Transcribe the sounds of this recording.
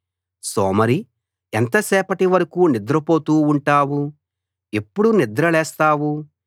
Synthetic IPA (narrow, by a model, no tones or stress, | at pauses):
soːmɐɾi | ent̪ɐsɛːpɐʈiʋɐɾɐkuːnid̪ɾɐpo̞ːt̪uːɳʈaːʋu | epːuɽunid̪ɾɐlɛːst̪aːʋu